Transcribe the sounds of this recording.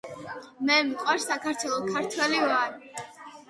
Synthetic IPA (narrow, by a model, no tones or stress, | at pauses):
mɛmikʼwaɾsakʰaɾt̪ʰwɛlˠɔkʰaɾt̪ʰwɛlivaɾ